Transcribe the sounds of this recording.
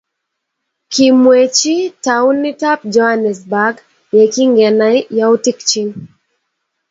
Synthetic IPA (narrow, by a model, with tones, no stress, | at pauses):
kimwet͡ʃi˦tau˦nːi˦ta˦p̚d͡ʒɔhanɛ˨s̬baɡ | jɛ˨ki˦ŋɡɛ˨na˦jjau˦ti˦kt͡ʃi˨n